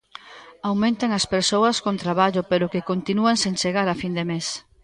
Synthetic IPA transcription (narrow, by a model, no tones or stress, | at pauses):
awmẽnt̪eŋɐspeɾsowɐskõnt̪ɾaβaʎʊpeɾʊkekont̪inuaŋsent͡ʃeɣaɾafind̪emes